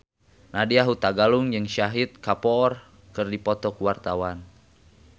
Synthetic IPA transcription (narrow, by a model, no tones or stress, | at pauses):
nadiaɦut̪aɡaluŋd͡ʒɨŋʃaɦit̪̚kapɔːr | kɨrdipɔt̪ɔkuwart̪awan